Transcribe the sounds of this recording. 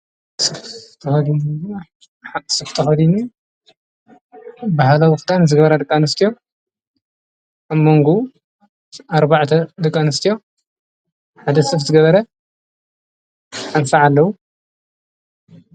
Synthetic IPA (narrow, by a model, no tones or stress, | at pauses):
sɨft̪ʰɐxɐd̪in | asɨft̪ʰɐxɐd̪inu | bahalawxɨt̪ʰʼanzɨɡɐβɐɾad̪ɨkʼːanɨst̪ʰijo̞ | amːoŋɡu | aɾbaʕt̪ʰɐd̪ɨkʼːanɨst̪ʰijo̞ | ħad̪ɐsɨfzɨɡɐβɐɾɐ | ħansɐʕalːɐwu